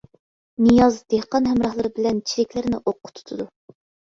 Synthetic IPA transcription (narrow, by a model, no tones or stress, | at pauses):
nɨjɑzd̪̥ehqɑnɦɛmɾɑhlˠɨɾɨbɪlɛnt͡ʃʰiɾɪkʲlɪɾnɪ̰ʔoqːʊ̥t̪ʰu̥t̪ʰud̪u